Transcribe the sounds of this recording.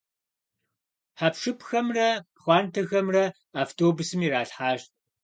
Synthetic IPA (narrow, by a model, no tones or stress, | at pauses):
ħapʂɨpʰxɐmrɐ | χʷɑːntʰɐxɐmrɐ | aːftʰoːbʊsɨmiɾaːɬħaːʃt̚ʼ